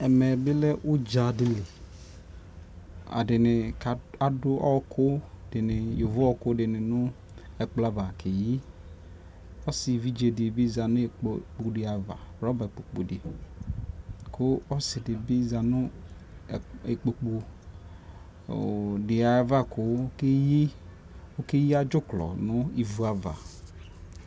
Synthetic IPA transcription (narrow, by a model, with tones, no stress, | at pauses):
ɛ˨mɛ˨bɪ˦lɛ˦ʔʊ˦d͡ʒa˨dɪ˨lɪ˨ | a̰˨dɪ˨nɪ˨ka˦dʊ˦ʔɔ˦kʰʊ˦ | dɪ˨nɪ˨jo˨vʊ˦ɔ˦kʊ˦dɪ˨nɪ̃˨nʊ˦ | ɛ˨k͡pla˦va˨kʰe˨ji˦ | ɔ˦sɪ˨vi˦d͡ʒe˨dɪ˨bi˦za˨nʊ˦˨k͡pk͡pu˨dɪ˨a˨va̰˨ɾɔ˦ba˨e˨k͡po˨k͡pṵ˨dɪ˨ | kʰʊ˦ɔ˦sɪ˨dɪ˨bɪ˦za˨nʊ̃˦˨ | e˨k͡po˨k͡pu˨ | dɪ˨a˨˦va˦kʊ˦ke˦ji˦ | o˦ke˦ji˦a˦d͡ʒʊ˦klɔ̰˨nʊ˦i˨vu˨a˨va̰˨